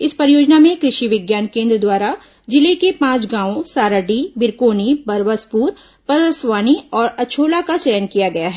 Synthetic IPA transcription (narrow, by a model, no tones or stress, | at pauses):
ɪspɐɾjoːd͡ʒnamẽkɾɪʃiʋɪɡjaːnkẽːnd̪ɾəd̪waːɾa | d͡ʒɪlekepãːt͡ʃɡãːõsaːɾəɖibɪɾkoːnibɐɾʋəspuːɾ | pɐɾəsʋaːniɔːɾɐt͡ʃʰoːlakat͡ʃɛjənkijaɡɐjaɦɛ